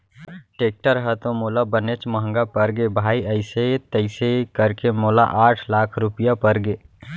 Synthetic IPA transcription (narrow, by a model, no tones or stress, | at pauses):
ʈeːk̚ʈəɾɦət̪õmoːlabənet͡ʃməɦə̃ŋɡapəɾɡebʱaːiəɪset̪əɪsekəɾkemoːla̰ʔaːʈʰlaːkʰɾʊpijapəɾɡeː